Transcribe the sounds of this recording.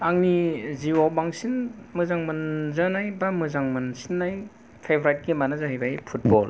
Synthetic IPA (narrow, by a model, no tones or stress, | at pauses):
aŋniziwawbaŋsinmɯzaŋmɯnzanajbamɯzaŋmɯnsinːaj | pʰebɾajt̚ɡimanazaɦajbajpʰut̚bɔl